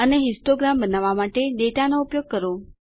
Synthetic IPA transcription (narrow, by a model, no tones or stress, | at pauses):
əneɦisʈoɡɾambənaʋamaʈeɖeʈanoupjoɡ̚kəɾo